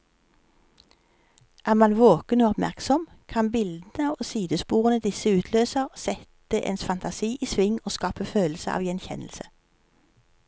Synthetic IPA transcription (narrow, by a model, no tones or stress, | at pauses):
ʔæːʁmɑnʋoːkənoːɔpmæ̰ʁksɔm | kʰɑnbɪld̪n̩əoːsiːd̪əspuːʁənəd̪ɪsəʉːt̪ʰløːsəʁsɛt̪əʔḛːnsfɑnt̪ʰɑsiːʔiːsʋɪŋoːskɑːpəføːlsəʔɑ̰ːʋjɛnçɛ̰nl̩sə